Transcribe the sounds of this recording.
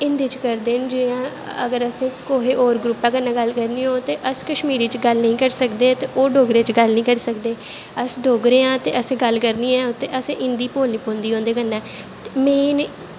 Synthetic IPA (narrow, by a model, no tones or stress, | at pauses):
ɪnd̪iːt͡ʃkəɾd̪eːnd͡ʒɪãː | ə̰ɡəɾəsẽːkoːɦeːʔoːɾɡɾʊpːãːkənːãːɡəlkəɾniːoːt̪eːʔəskəʃmiːɾiːt͡ʃɡəlnəĩːkəɾsəkd̪eːt̪eːʔoːɖoːɡɾeːt͡ʃɡəlnəɦĩːkəɾiːsəkd̪eː | əsɖoːɡɾeːãːt̪eːʔəsẽːɡəlkəɾniːɛ̃ːot̪ːeːʔəsẽːʔɪnd̪iːpoːlniːpõːnd̪iːɦõːnd̪eːkənːãː | t̪emeːn